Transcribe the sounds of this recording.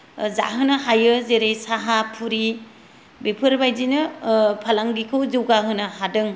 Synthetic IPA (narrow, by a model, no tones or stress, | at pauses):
za̰ɦɯnɯɦajɯzeɾejsaɦapʰuɾi | bepʰɯɾbajzinɯpʰalaŋɡikʰɯwzɯwɡaɦɯnɯhadɯŋ